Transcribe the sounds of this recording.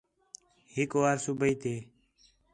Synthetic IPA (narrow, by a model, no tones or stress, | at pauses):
hɪkwaːɾsubəiːt̪ʰeː